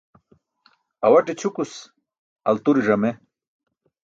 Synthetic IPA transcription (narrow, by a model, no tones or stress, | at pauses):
ɐwɐʈet͡ɕʰukus | ɐ̰lt̪uɾiʐɐme